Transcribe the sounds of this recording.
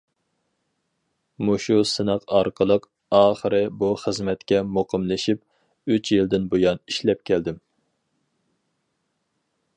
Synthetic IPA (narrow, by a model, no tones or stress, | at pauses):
muʃusɨnəqɑɾqʰəlˠəq | ɑːχəɾɨbuχəzmɛt̪kʲɛmoqʰəmlɪʃip̚ | yt͡ʃʰjild̪ɪnbojɑniʃlɛp̚kʲʰɛld̪ɪm